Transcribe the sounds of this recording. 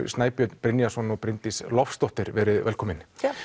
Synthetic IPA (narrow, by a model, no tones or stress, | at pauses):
st̪naːjpjœt̪npɾɪnjasɔnɔɣpɾɪnt̪islɔfst̪ɔwht̪ɪɾvɛɾɪðvɛlkʰɔːmɪn